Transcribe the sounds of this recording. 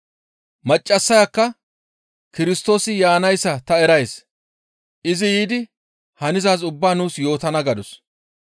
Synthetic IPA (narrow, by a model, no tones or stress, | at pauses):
mɐt͡ʃʼːɐsːɐjɐkːɐ | kɪɾɪst̪o̞ːsɪjaːnɐjsːɐt̪ɐɛɾɐjs | ʔɪzɪjiːd̪ɪ | hɐnɪzaːzʊbːaːnuːsjo̞ːt̪ɐnɐɡɐd̪ɔs